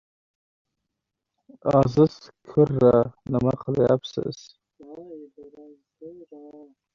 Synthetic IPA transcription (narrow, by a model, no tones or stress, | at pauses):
ɑzɪz̥kʰʊɾːanɪmaqʰɨljapsɪ̰z̥